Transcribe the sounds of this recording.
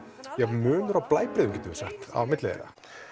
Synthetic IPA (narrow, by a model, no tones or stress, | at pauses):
jɛmʏːnʏɾawplaːjpɾɪːðʏmcɛt̪ʏsɛht̪a̰wmɪt̪lɪḛɾa̰